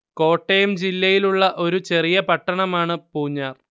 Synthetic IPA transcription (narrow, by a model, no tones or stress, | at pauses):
ko̞ːʈːejɐmd͡ʑilːɐjiluɭːɐʔo̞ɾut͡ɕe̞rijɐpɐʈːɐɳɐmaːɳɨpuːɲːaːr